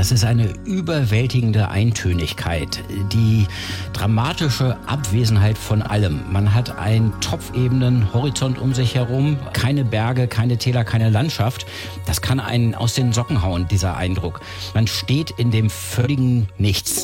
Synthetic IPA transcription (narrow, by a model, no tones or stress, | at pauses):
d̥asɪstʔaɪnəʔybɐvɛltɪɡŋ̩dəʔa̰ɪntʰøːnɪçkʰa̰ɪtd̥iː | d̥ʁamaːtɪʃəʔa̰pv̥eːzn̩ɦaɪtfɔnʔa̰ləmːanɦatʔa̰ɪnntʰɔp͡fʔeːbn̩ənhɔʁit͡sɔntʔʊmzɪçhɛʁʊmkʰaɪnəbɛɐɡəkʰaɪnətʰɛːlɐkʰaɪnəlantʃaft | d̥askʰana̰ɪnʔa̰ʊsd̥eːmzɔkŋ̩ɦaʊəndiːzɐʔa̰ɪndʁʊk | manʃteːtɪndeːmfœlɪɡŋ̩nɪçt͡s